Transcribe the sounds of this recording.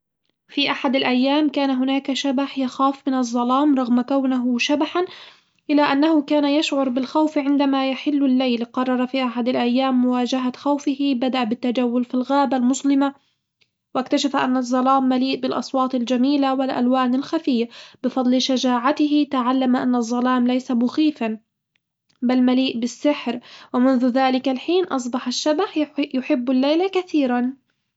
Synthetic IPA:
fiʔaħad̪alʔajːaːmkaːnaɦʊnaːkaʃabaħjaxaːfmɪnɑzˤːɑlɑːmɾˤɑɣmakawnaɦʊʃabaħan | ʔɪlaʔanːahʊkaːnajaʃʕʊɾˤbɪlxawfʕɪnd̪amajaħɪlːɪlːajlqɑrˤːɑɾˤɑfiʔaħad̪alʔajːaːmːʊwaːd͡ʒaɦaxawfɪhɪbad̪aʔabɪt̪ːad͡ʒawːʊlfilɣaːbalmʊslɪma | wɪkt̪aʃafaʔanːɑzˤːɑlaːmːaliːʔbɪlʔɑ̰sˤwɑːt̪ˤɪld͡ʒamiːlawɪlʔa̰lwaːnalxafɪjːabɪfɑd̪ˤlʃad͡ʒaːʕat̪ɪɦɪt̪aʕalːamaʔanːɑzˤːɑlaːmlajsamʊxiːfan | balmaliːʔbɪsːɪħɾwɪmʊnðʊðaːlɪkalħiːnʔɑs̬ˤbɑħaʃːabaħjʊħɪbːalːajlakaθiːɾan

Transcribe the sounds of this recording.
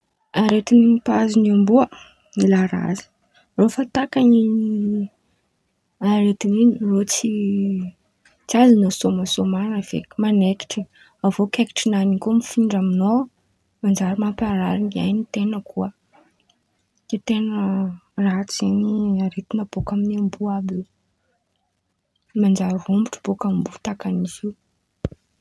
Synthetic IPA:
aɾet̪inipaziniambuə | ilaɾa̰zi̥ | rofat̪akani | aɾet̪ininirot͡si | t͡siazinosomasomanəv̥ḛkimaneki̥ʈ͡ʂi | avokeki̥ʈ͡ʂinanikumifiɳɖ͡ʐamino | mand͡ʒaɾimampaɾaɾiŋia̰jnit̪enəkuə | it̪enəraɦt͡seniaɾet̪inəb̥okaminambuabi | mand͡ʒaɾiɦumbiʈ͡ʂə̥b̥okammbut̪akaniziu

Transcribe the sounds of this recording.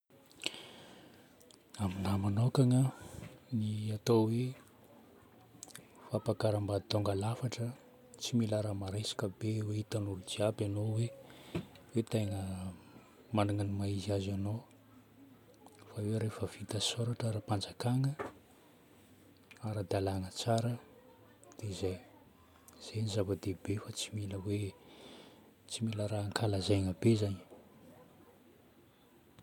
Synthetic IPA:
aminamanokaŋəniat̪owe | fapakaɾəmbad̪it̪oŋɡalafaʈ͡ʂə | t͡similaɾamaɾasḁkəbeweit̪anuɾud͡ʒiabanowe | wet̪ajŋə | manaŋanimaiziazano | faweɾefəv̥it̪asoɾaʈ͡ʂaɾapand͡zakaŋə | aɾad̪alaŋət͡saɾə | d̪̥eizaj | z̥eɲizavəd̪ebefat͡similəwe | t͡similəɾaaŋkalazajŋəbezaɲ

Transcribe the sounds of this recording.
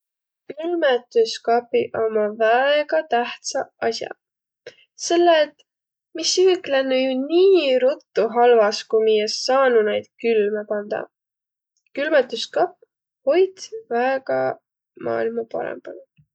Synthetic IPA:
kylmet̪ˑuskɑpiʔo̞mɑvæeɡ̥ɑt̪æht̪sɑɑsjɑ̰ | se̞lːet̪ˑ | misyklenːujuniːɾut̪ːuɦɑlvɑskumijesːɑːnunejd̪̥kylmepɑnd̪̥ɑ̰ | kylmet̪ːˑuskɑpː | ho̞jd̪væeɡɑ | mɑ̰ːilmɑpɑ̰ɾḛmb̥ɑl

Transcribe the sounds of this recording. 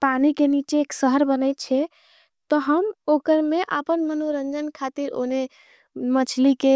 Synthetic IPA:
panikenit͡ʃeːksəɦəɾbənəjt̪̚t͡ʃʰɛ | t̪ɔɦəmokəɾmeʔə̰pənmənoɾənd͡ʒənkʰat̪iɾo̰ne | mət͡ʃʰlike

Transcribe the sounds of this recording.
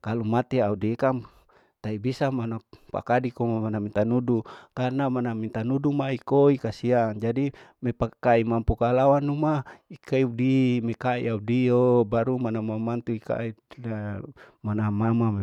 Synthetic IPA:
kalumat̪iaudikam | t̪aibisamanapa̰kadikomamanamint̪anudukarnamanamint̪anudumaikoikasiaŋd͡ʒadimepakaimampukalawanumaikaiudimekaḭaudiobaɾumanamamant̪uika̰iamanamamam

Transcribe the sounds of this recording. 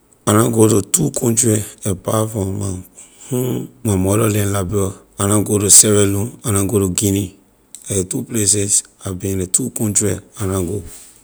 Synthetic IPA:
anãɡotutukʰɔ̃ntɹiɛpafɔ̃ma | hũmamɔɾɔlɛ̃nlabɛɔ | anãɡotusɛvɛ̃lũanãɡotuɡĩnĩ | laetuplesɛsabĩnletukɔ̃ntɹianãɡo

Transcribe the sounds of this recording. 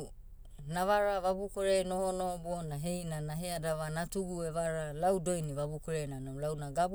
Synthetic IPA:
naβaɾaβabukoɾejnohonobonaɦejnanaɦeadaβanatuɡueβaɾalawdo̞jniβabukoɾejnanolawnaɡab

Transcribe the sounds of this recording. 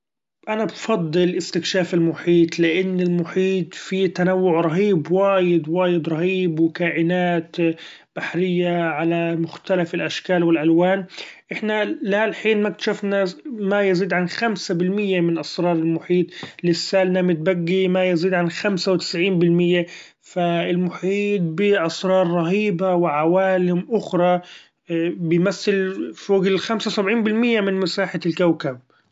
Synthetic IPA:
ʔanabfɑd̪ˤːɨlʔɪst̪ɪkʃaːfɪlmʊħiːt̪ˤlɪʔɪnːɪlmʊħiːt̪fit̪anawːʊʕɾˤɑɦiːbwaːjɪd̪waːjɪd̪ɾˤɑhiːbwɪkaːʔɪnaːt̪ | b̥aħɾɪjːaʕalamʊxt̪alafɪlʔaʃkaːlwɪlʔalwaːnʔɪħnalalħiːnmak̚t̪ḁʃafnamajaziːd̪ʕanxamsabɪlmɪjːamɪnʔɑsˤɾˤɑːɾˤɪlmʊħiːt̪ˤlɪsːaːlnamɪt̪̚baɡːimajaziːd̪ʕanxamsawt̪ɪ̥sʕiːnbɪlmɪjːa | faɪlmʊħiːt̪̚bɪʔɑsɾˤɑːɾˤːɑɦiːbawɪʕawaːlɪmʔʊxɾˤɑ | bɪjmaθːɪlfoːɡɪlxamsawsabʕiːnbɪlmɪjːamɪnmɪsaːħalkawkab̚

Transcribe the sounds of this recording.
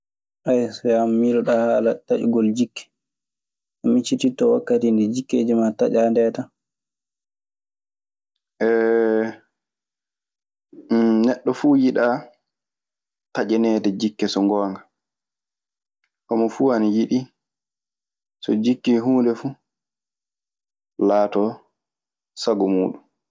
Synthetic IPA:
ʔajsɔamːiɾɔɗahalataʔṵɡɔld͡ʒikːɛ̥ | ʔamit͡ʃːititːɔwakːatindɛd͡ʒikːeːd͡ʒimataʔandɛta | ʔɛ | nɛɗːɔfuːjiɗa | tad͡ʒɛnɛːtad͡ʒikːɛsɔŋɡɔːŋɡa | ʔɔmɔfuanijiɗi | sɔ̰d͡ʒikːiɦuːndɛfuː | laːtɔ | saɡɔmuːɗum

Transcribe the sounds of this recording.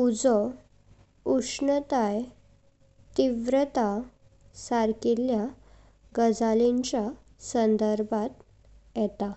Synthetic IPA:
ud͡zɔ | uʂɳət̪aj | t̪iʋɾət̪a | saɾkilja | ɡəd͡zaliɲt͡ɕja | sənd̪əɾbʱat̪ | jɛt̪a

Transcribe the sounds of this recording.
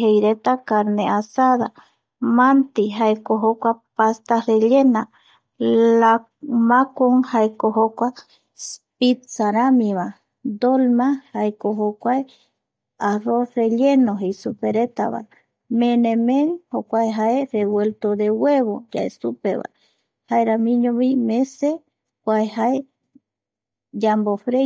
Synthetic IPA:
hejɾet̪akaɾneasaða | mant̪iɦaekoɦokʷapast̪areʎena | la | makoŋhaekoɦokʷa | spit̪saɾamiβa | d̪olmahaekoɦokʷae | aroreʎenoɦejsupeɾet̪a̰βa̰ | mẽnẽmẽnhokʷaeɦaereβwelt̪oðeweβod͡ʒa̰esupḛβa̰ | haeɾamĩɲõβimẽse | kʷaehae | d͡ʒambofɾe

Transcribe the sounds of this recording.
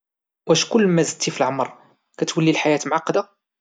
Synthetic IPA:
wæʃkʊlːmæzd̪̚t̪ːifilʕəmɾˤ | kæt̪wəlːilħajæt̪mʊʕɑqːɑd̪a

